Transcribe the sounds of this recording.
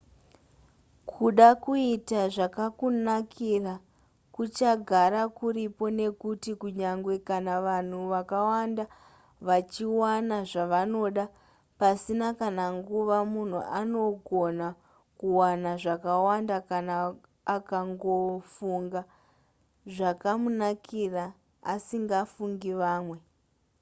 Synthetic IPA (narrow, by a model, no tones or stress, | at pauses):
kʰuɗakuitaʐakakunakʰira | kut͡ʃaɡʱaɾakuɾipo̞ne̞kutikuɲaŋɡwe̞kanaʋan̤uʋakawanda | ʋat͡ʃiwanaʐaʋano̞ɗa | pasinakanaŋɡuʋamun̤ṵʔano̞ɡʱo̞na | kuwanaʐakawandakanaː | kaŋɡo̞fuŋɡa | ʐakamunakʰiraː | siŋɡafuŋɡiʋaːmwe̞